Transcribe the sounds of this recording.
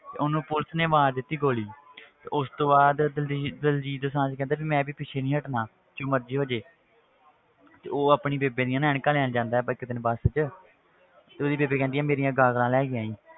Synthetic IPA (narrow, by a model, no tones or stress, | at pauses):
t̪ḛːʊnũːpʊlsneːʋaːɾd̪ɪt̪ːiːɡoːliːt̪ḛːʔʊst̪õːbaːd̪d̪əld͡ʒiːd̪osãːt͡ʃːkɛ̃ːnd̪aːbiːmɛ̃ːbiːpɪʃʰeːnĩːɦəʈnaː | t͡ʃõːməɾd͡ʒiːɦoːd͡ʒeː | t̪eːoːaːpɳiːbeːbẽːd̪ijãːnːɪɳkãːlɛːnd͡ʒãːnd̪aːɛːbəkːɪt̪nːbəst͡ʃ | t̪eːoːd̪iːbeːbeːkɛ̃ːnd̪ijãːmeːɾijãːɡaːɡlãːlɛːɡɪjãːĩː